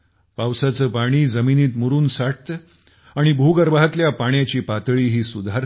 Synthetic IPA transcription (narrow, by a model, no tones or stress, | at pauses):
pawsat͡səːpaɽ̃iːd͡zəminiːt̪muɾuːnsaʈ̚t̪ə | aɽ̃ibʱuɡəɾbaɦat̪ljapaɳ̃jat͡ɕiːpat̪ɭiːɦiːsud̪ʱaɾ